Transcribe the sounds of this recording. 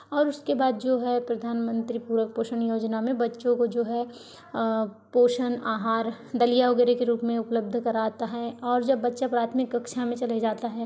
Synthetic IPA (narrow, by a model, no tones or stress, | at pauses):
ɔːɾʊskebaːd̪̚d͡ʒoːɦɛpɾɐd̪ʱaːnmə̃nt̪ɾipuːɾək̚poːʃənjoːd͡ʒnamẽbɐtːʃõkod͡ʒoːɦɛ | poːʃənaːɦaːɾ | d̪ɐlijaʋɐɡɛːɾekeɾuːpmẽʊpləb̚d̪ʱkɐɾaːt̪aɦɛɔːɾd͡ʒɐbːɐtːʃapɾaːt̪ʰmɪkɐkʃamẽt͡ʃɐled͡ʒaːt̪aɦɛː